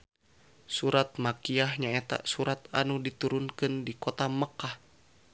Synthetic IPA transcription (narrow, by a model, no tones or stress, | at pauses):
suɾat̪̚makiahɲaɛt̪a̰suɾat̪anudit̪uɾunkɨndikɔt̪aməkah